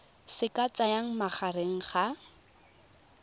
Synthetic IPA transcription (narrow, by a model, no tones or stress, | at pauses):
sɪkat͡sʼajaŋ̩maχʰareŋ̩χa